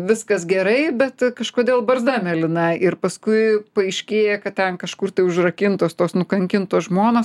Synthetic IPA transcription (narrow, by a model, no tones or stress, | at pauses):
ʋʲɪskɐsɡʲɛɾɐɪbʲɛt̪kɐʃkoːd̪ʲeːlˠbɐɾzd̪ɑːmʲɛlʲɪnɐɪɪɾpɐskʊɪpɐɐɪʃʲkʲeːjɛkɐtt̪ʲɛnkɐʃkʊrt̪ɐɪʊʒrɐkʲɪnt̪oːst̪oːsnʊkɐŋʲkʲɪnt̪oːsʒmoːnoːs